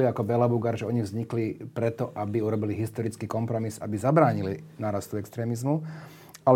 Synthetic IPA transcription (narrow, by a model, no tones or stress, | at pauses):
liakɔbɛlabuɡaɾʒɛɔɲiɣvzɲiklipɾɛt̪ɔʔabiuɾɔbiliɦist̪ɔɾit͡skikɔmpɾɔmiza̰bizabɾaːɲilinaːɾast̪uɛkst̪ɾɛːmizmu | al